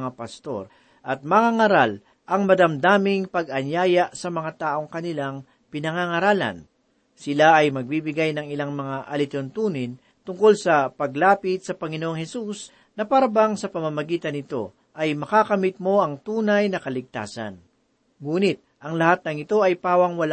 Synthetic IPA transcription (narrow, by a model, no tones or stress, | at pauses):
ŋapɐst̪o̞̰ɾ | ʔɐt̪̚mɐŋaŋɐɾal | ʔɐŋmɐd̪ɐmd̪aːmɪŋpɐɡʔɐɲjaːjaʔsɐmɐŋat̪aːʔo̞ŋkɐnɪlaŋ | pɪnɐŋaŋɐɾaːlɐ̰n | sɪlaɐjmɐɡ̚bibɪɡajnɐŋɪlaŋmɐŋaʔɐlɪt̪ont̪uːnɪn | t̪ʊŋko̞lsɐpɐɡlaːpɪt̪̚sɐpɐŋɪnoʔoŋhɛsus | nɐpaːɾɐbaŋsɐpɐmɐmɐɡiːt̪ɐnɪt̪o̞̰ | ʔɐjmɐkakɐmɪt̪̚mo̞ʔɐŋt̪uːnɐjnɐkɐlɪɡ̚t̪a̰ːsɐ̰n | ŋuːnɪt̪̚ʔɐŋlɐhat̪̚nɐŋɪt̪o̞ʔɐjpaːwɐŋwɐl